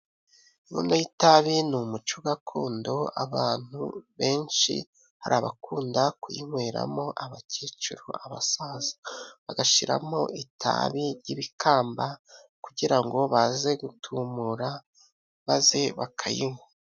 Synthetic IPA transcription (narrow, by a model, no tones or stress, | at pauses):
iβo̰najitaβinumut͡ʃoɡakʰuːndo̞aβaːn̥huβe̞ːnʃḭ | haɾaβakʰuːndakujḭŋweɾa̰mo̞ʔaβacet͡ʃuɾo̰aβasazḁβaɡaʃiɾa̰mo̞ʔitʰa̰βiɾɟiβikʰaːmba | kuɟiɾaŋɡo̞βaze̞ɡutʰumuɾa | βazeβakʰajḭŋwe